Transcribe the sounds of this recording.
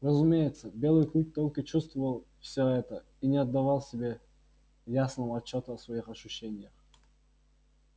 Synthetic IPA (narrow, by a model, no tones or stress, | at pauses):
rəzʊmʲejɪt̪səbʲe̞lˠɨjklʲˠuk̚ʲt̪olʲkət͡ɕust̪vəvəlˠfsʲoɛt̪ə | inʲɪɐd̪ːɐvalˠsʲɪbʲe̞ | jasnəvəɐt͡ɕːo̞t̪əɐsvɐixɐɕʊɕːenʲɪjəx